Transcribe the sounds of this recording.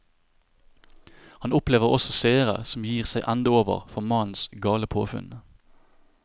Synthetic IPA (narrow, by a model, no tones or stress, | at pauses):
hɑnʊpleːʋəʁɔsɔseːəʁə̰sɔm̩jiːʁsæɪʔænd̪əoːʋə̰ʁfɔʁmɑnn̩sɡɑːləpʰo̰ːfʉ̰n